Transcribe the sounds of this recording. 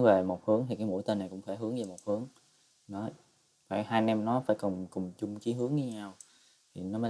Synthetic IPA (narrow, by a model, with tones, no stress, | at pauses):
ve˨˩mo˨˩t̚hɨ˨˦əŋt̪ʰi˨˩kaː˨˦jmṵ˧˥jt̪ə˧nːa˨˩jkʊ̰˧˥ŋ͡mfaː˧˩jɦɨ˨˦əŋzə˧˨˩mo˨˩t̚hɨ˨˦əŋ | ɗɔ˨˦ | fa̰ː˧˩jhaː˧jnɛ˧mnɔ˨˦faː˧˩jkɔ˨˩mkʊ˨˩ŋ͡mt͡ɕʊ˧ŋ͡mki˨˦ɦɨ˨˦əŋi˧ɲaː˧w | t̪ʰi˨˩nɔ˨˦məː˨˦